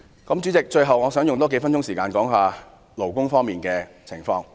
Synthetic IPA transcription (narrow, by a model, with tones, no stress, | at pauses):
kɐ˨˥mt͡ʃyː˨˥t͡sɪ˨k̚t͡ʃɵ˧ɥɦɐ˨wŋɔː˨˧sœː˨˥ŋjʊ˨ŋt̪ɔː˥ke˨˧˥fɐ˥nt͡ʃʊ˥ŋsiː˨˩kaː˧nkɔː˨˥ŋɦaː˨ | lo˨˩wkʊ˥ŋfɔː˥ŋmiː˨nkɛː˧ | t͡sʰɪ˨˩ŋfɔː˧ŋ